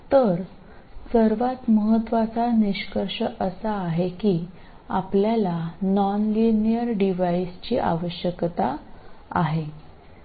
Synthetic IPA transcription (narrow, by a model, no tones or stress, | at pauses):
t̪əɾ | səɾʋat̪məɦət̪ːʋat͡saniɕkəɾʂəʔəsaːɦekiː | apljalanɔnlinijəɾɖiʋaist͡ɕiːʔa̰ʋəɕjəkt̪aa̰ɦe